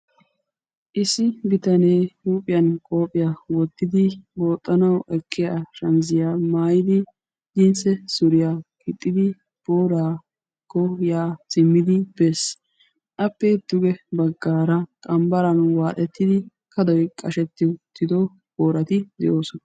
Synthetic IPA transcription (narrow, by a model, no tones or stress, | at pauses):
ʔɪsɪbɪt̪ɐne̞ːhuːpʼɪjɐnkʼo̞ːpʼɪjawɔt̪ːɪd̪ɪbo̞ːt̪ʼːɐnɐwʔɛkʰːɪjaːʃɐnzɪjaːmaːjɪd̪ɪ | dɪnsɛsʊɾɪjaːkɪt̪ʼːɪd̪ɪ | b̥oːɾaː | kːɔjaːsɪmːɪd̪ɪb̥ɛs | ʔɐpːɛd̪̥ʊɡɛbɐɡːaːɾɐkʼɐmbɐɾɐnwaːt̪ʼɛt̪ːɪd̪ɪ | kɐd̪ɔjkʼɐʃɛt̪ːɪt̪ʰːɪd̪ɔ | b̥oːɾɐt̪ɪd̪ɛ̰ʔo̞ːsɔnɐ